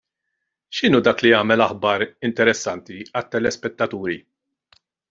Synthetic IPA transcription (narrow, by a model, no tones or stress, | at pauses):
ʃɪnuːd̪ɐːkliɐːmɛlɐħbɐɾɪnt̪ɛɾɛsːɐnt̪iɐt̪ːɛlɛspɛt̪ːɐt̪uːɾi